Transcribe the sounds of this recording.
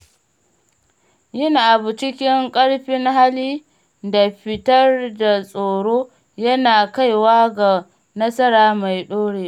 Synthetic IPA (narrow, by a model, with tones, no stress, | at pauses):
jɪ˦naː˨ʔa˨bu˨t͡ʃɪ˦kʲɪ˦ŋkʼɐ˦ɽɸɪ˦ŋɦa˦liː˦ | da˨ɸɪ˦tɐ˦rda˨sʼoː˨ɽoː˦ | jɐ˦naː˨ka˦jwaː˦ɡa˨ | nɐ˦sɐ˦ɾaː˨ma˨jɗoː˦ɽeː˨